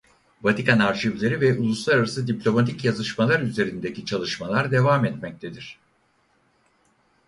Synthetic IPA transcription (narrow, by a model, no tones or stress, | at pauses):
vat̪ʰikanaɾʃivlʲe̞ɾivɛʔulˠuslˠaɾaɾasɯd̪iplʲo̞mat̪ʰicjazɯʃmalˠaɾyze̞ɾind̪ecit͡ʃʰalˠɯʃmalˠaɾd̪e̞vaːmɛt̪mɛc̚t̪ʰed̪iɾ̝̥